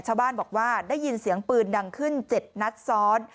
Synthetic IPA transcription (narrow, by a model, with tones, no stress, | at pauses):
t͡ɕʰaː˥˩wbaː˥˩nbɔː˨˩k̚waː˥˩daː˥˩jːi˧nsi˨˩˦əŋpɯː˧nda˧ŋkʰɯ˥˩nt͡ɕe˨˩t̪̚na˦˥t̪̚sɔː˦˥n